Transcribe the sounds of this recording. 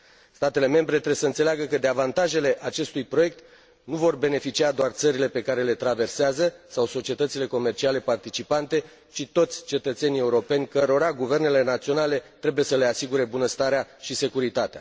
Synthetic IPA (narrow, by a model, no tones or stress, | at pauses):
st̪at̪e̞le̞me̞mbɾe̞t̪ɾesəɨnt̪se̞leaɡəkəd̪e̞avant̪aʒe̞le̞ʔat͡ʃe̞st̪ujpɾo̞je̞k̚t̪ | nuvo̞rbe̞ne̞fit͡ʃiad̪oart̪səɾile̞pe̞kaɾe̞le̞t̪ɾave̞rseazəsawso̞t͡ʃie̞t̪ət̪sile̞ko̞me̞rt͡ʃiale̞part̪it͡ʃipant̪e̞ | t͡ʃit̪o̞t̪sʲt͡ʃe̞t̪ət̪se̞nie̞uɾo̞pe̞nʲkəɾo̞ɾaɡuve̞rne̞le̞nat̪sio̞nale̞t̪ɾe̞buje̞səle̞asiɡuɾe̞bunəst̪aɾeaʃise̞kuɾit̪at̪ea